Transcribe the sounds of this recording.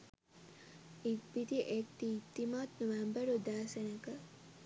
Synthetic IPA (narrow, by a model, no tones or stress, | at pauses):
it̚bit̪iʔek̚t̪it̪ːimaːt̪noʋæmbəɾud̪aːsɐnəkə